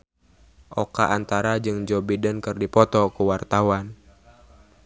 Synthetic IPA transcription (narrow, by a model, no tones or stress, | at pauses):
ʔɔkaʔant̪aɾad͡ʒɨŋd͡ʒɔbidənkɨrdipɔt̪ɔkuwart̪awan